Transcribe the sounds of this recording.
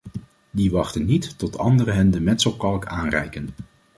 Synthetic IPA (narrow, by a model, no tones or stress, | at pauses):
diʋɑχtənːitːɔtʰɑ̰ndəɾəɦɛndəmɛntsəlˠkɑlˠkaːnrɛ̰jkən